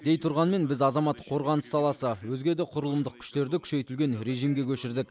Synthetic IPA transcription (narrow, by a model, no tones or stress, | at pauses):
d̪̥e̞jt̪ʰʊɾʁɑnme̞nbɪzɑzɑmɑt̪qʰo̞ɾʁɑnəsɑlˠɑsəwɵzɡʲed̪eqʰʊɾəlˠəmd̪əq̚kʲʰʏ̥ʃt̪e̞ɾd̪ɪkʲʰʏ̥ʃe̞jt̪ɪlɡʲe̞nɾe̞ʒijmɡʲe̞kʲʰɵʃɪɾd̪ɪk